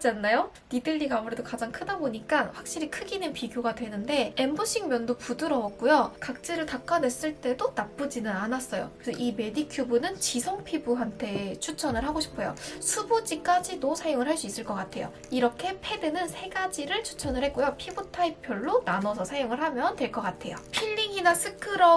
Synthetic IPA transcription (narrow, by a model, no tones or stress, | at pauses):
t͡ɕ͈anːajo | nidɯʎːiɡaːmuɾe̞dokad͡ʑaŋkʰɯdaboɲik͈aɸwak̚ɕ͈iɾikʰɯɡinɯnpiɡjoɡadwe̞nɯnde̞embuɕʰiŋmjʌndopudɯɾʌʌk̚k͈ujokak̚t͡ɕ͈eɾɯɭtak͈anwe̞s͈ɯɭt͈e̞donap͈ɯd͡ʑinɯnanas͈ʌjo̰kesʰʌʔime̞dikʰjubunɯnt͡ɕisʰʌŋpʰibuɦantʰe̞t͡ɕʰut͡ɕʰʌnɯɭɦaɡoɕʰi̥pʰojo̰sʰubod͡ʑik͈ad͡ʑinosʰajoŋɯɭɦaɭs͈uis͈ɯɭk͈ʌk͈atʰe̞̰jo̰ | iɾʌkʰe̞pʰe̞dɯnɯnsʰe̞ɡad͡ʑiɾɯɭt͡ɕʰu̥t͡ɕʰʌnɯɭhɦe̞k̚k͈ojopʰibutʰaipʰjʌɭːonanʌsʰʌsʰajoŋɯɭɦamjʌntwe̞ɭk͈ʌk͈atʰe̞jo̰pʰiʎːiɡinasʰɯkʰɯɾʌ